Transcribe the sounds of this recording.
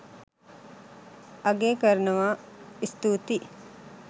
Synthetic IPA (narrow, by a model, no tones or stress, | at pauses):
ɐɡeːkɐɾnɐʋaːist̪uːt̪i